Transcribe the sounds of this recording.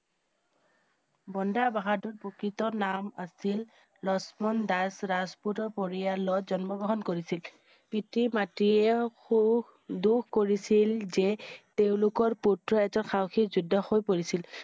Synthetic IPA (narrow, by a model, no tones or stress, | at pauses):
bɔndabaɦaduɹpokitɔnama̰sil | lɔsmɔndasɹazputɔɹpoɹijalɔzɔnmɔɡɔɦɔnkoɹisil | pitimatiɛxu | dukkoɹisilzɛteʊ̃lʊkɔɹputɹɔɛkzɔnxawxizudʱːɔxojpoɹisil